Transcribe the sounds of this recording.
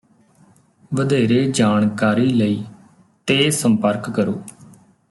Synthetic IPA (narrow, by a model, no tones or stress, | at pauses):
ʋəd̪eːɾeːd͡ʒaːnkaːɾiːləiː | t̪eːsəmpəɾkːəɾoː